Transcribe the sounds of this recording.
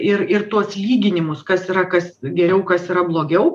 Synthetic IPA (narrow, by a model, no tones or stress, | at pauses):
ɪrɪrt̪uɔslʲiːɡʲɪnʲɪmʊskɐsiɾɐkɐsɡʲɛɾʲɛʊkɐsiɾɐblˠoːɡʲɛʊ